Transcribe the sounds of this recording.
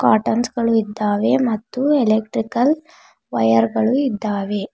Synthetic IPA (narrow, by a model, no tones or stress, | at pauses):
kaːʈɐnsɡɐɭuid̪ːaːʋe̞mɐt̪ːuelek̚ʈɾikɐl | ʋɐjɐɾɡɐɭuid̪ːaːʋe